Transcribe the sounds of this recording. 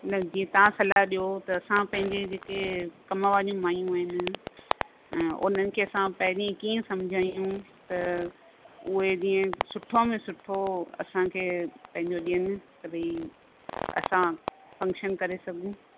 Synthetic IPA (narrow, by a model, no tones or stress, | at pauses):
nɐd͡ʑĩːẽt̪ɐʋãsɐlaɦɗijot̪ɐːsãpɐ̃ɦɪ̃ɲd͡ʑed͡ʑeːkekɐməʋaːijũmaːjũaːɦɪnɪ̆ | ʊ̰n̤ənɪ̆kʰeːɐsãpɐɦɪɗĩẽkiːẽsɐ̃md͡ʑʱaːijũt̪ɐ | ʊɦed͡ʑĩːẽsʊʈʰõmẽsʊʈʰoɐ̰sãkʰeːpɐ̃ɦɪ̃ɲd͡ʑoɗijənɪ̆kɐɾi | ɐ̰sã | fɐ̃ŋkʃənkɐɾesɐɡʱũ